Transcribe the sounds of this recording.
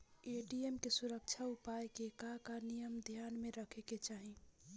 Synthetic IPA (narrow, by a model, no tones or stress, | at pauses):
eʈiemkesuɾək̚t͡ʃʰaupajkekakanijəmd̪ʱjanmeɾəkʰeket͡ʃaɦi